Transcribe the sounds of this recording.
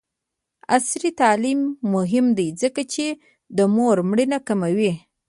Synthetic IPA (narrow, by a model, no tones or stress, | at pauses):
asɾit̪ɑlimːʊɦɪmd̪ajzəkat͡ʃe | d̪əmoɾmɽinakamawi